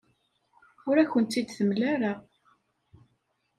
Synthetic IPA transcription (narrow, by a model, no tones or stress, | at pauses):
ʊɾæçənt̪ːid̪θəmlæɾəʁ